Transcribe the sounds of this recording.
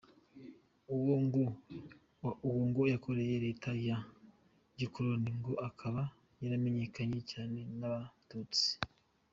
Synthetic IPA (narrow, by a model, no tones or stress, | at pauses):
uwoːŋɡojakʰo̞ɾe̞je̞ɾe̞ːtʰaja | ɟikuɾoniŋɡo̞ʔakʰaβa | jaɾame̞ɲe̞kaɲe̞caːne̞naβatut͡si̥